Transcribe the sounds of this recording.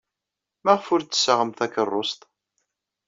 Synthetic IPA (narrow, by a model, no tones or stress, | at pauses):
mæʁfʊɾt̪ːə̥sːəʁəmθækərˤːost̪ˤ